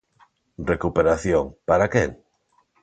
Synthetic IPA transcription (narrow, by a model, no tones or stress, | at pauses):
rekupeɾaθjoŋpaɾakḛŋ